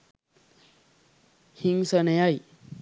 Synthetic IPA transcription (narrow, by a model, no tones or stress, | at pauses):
hiŋsənjaj